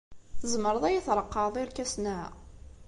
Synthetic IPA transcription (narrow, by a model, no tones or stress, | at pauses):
θəzməɾˤəðˤæjiθɾˤəqːɑðˤiɾkæsnæ